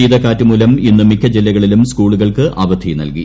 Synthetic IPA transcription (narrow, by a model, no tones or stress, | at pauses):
iːd̪ɐkːaːtːumuːlɐminːɨmikʰːɐd͡ʑilːɐɣɐɭilumskuːɭuɣɐɭkɨʔaːbɐd̪ʰʱinɐ̰lki